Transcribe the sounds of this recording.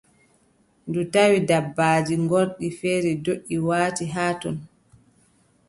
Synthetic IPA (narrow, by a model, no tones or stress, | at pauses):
ndutawidabːaːd͡ʒiŋɡoɾɗifeːɾidoɗːiwaːtiɦaːtɔn